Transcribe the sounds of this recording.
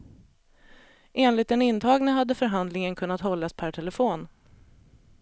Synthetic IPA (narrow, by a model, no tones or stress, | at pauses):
ʔeːnlɪt̪ɛnɪnt̪ʰɑːɡnəɦad̪ːəfœɾɦand̪lɪŋənkʰɵnːat̪hɔlːaspʰæʈʰɛləfoːn